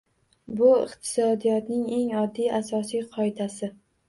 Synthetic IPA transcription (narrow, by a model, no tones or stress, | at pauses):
bʊɪ̰qt̪ʰɪ̥sɒd̪ijɒt̪nɪŋe̞ŋɒd̪ːijasɒsijqʰɒɪd̪asɪ